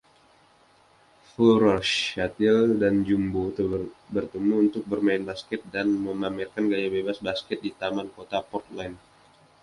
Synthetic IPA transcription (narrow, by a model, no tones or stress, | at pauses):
fuɾɔʃat̪ɪldand͡ʒumbut̪əbərt̪əmuːnt̪ʊk̚bərmaɪnbaskɛt̪̚danməmamɛrkanɡajabebasbaskɛt̪̚dit̪amankot̪apɔrt̪̚lan